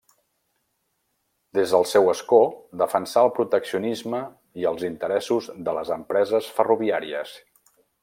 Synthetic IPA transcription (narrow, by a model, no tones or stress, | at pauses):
d̪ezðəlˠsɛwəskod̪əfənsaəlˠpɾut̪əksiunizmə | iəlˠzint̪əɾɛsuzðələzəmpɾɛzəsfəruβiaɾiəs